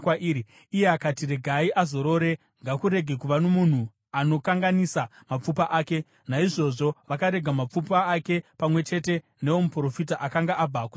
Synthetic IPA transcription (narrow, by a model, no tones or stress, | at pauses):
waʔii | ijeakatire̞ɡʱaiʔazo̞ɾo̞ɾe̞ | ŋɡakuɾe̞ɡʱe̞kuʋanomun̤u | ano̞kaŋɡanisamap͡fupaʔaːke̞ | naiʐo̞ʐo̞ʋakaɾe̞ɡʱamap͡fupaːke̞pamwe̞t͡ʃe̞te̞ | ne̞wo̞mupro̞fit̬aʔakaŋɡaʔab͡vaːkwu